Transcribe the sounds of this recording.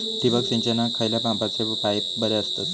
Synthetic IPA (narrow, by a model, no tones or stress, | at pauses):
t̪iʋək̚t͡ɕĩɲt͡ɕenakʰəjljapãmpat͡seupaj | bəɾeəst̪at̪